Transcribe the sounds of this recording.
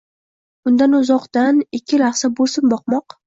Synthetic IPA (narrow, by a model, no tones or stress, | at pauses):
ʊnd̪anʊzɒqt̪anɪkʲʰːɪlaχsabolsɪmbɒqmɒq